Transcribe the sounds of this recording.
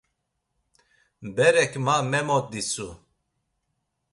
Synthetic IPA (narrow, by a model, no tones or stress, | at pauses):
bɛɾɛkʰmamɛmɔt̪̚d̪isu